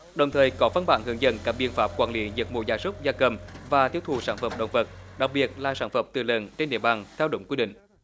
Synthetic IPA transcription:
ɗə˨˩wŋ͡mt̪ʰəː˨˩jkɔ˨˦va˧nɓa̰ː˧˩nhɨ˨˦əŋzə̰˧˨nkaː˦˥k̚ɓḭ˧˨ənfaː˦˥p̚kwaː˧nli˨˦zə˨˩mṵ˧˨˩zaː˨˦jsə˦˥k͡p̚zaː˧kə˨˩mvaː˨˩t̪ʰi˦˥əwt̪ʰṵ˨˩saː˧˩nfə˨˧˩mɗə̰˨˧˩wŋ͡mvə˨˩t̚ɗa˨˩k̚ɓi˨˩ət̚laː˨˩saː˧˩nfə˧˩mt̪ɨ˨˩lə˨˩nt͡ɕe˧nɗḭ˧˨ə˩ɓaː˨˩nt̪ʰɛ˧wɗo̰˧˦ŋ͡mki˧ɗḭ̈˧˨ŋ̟

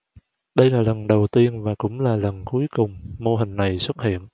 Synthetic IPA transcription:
ɗə˧jlaː˨˩lə˨˩nɗə˨˩wt̪i˧ənvaː˨˩kʊ̰˧˥ŋ͡mlaː˨˩lə˨˩nku˨˦əjkʊ˨˩ŋ͡mmo˧ɦï˨˩ŋ̟na˨˩jswə˦˥t̚hḭ˧˨ən

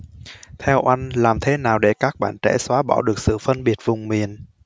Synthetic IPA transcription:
t̪ʰɛ˧wʔa˧jŋ̟laː˨˩mt̪ʰe˨˦naː˨˩wɗe˧˩kaː˦˥k̚ɓa̰ː˧˨nt͡ɕɛ̰˧˩swaː˨˦ɓɔ̰˧˩ɗɨ˨˩ək̚sɨ̰˧˨fə˧nɓi˨˩ət̚vʊ˨˩ŋ͡mmi˨˩ən

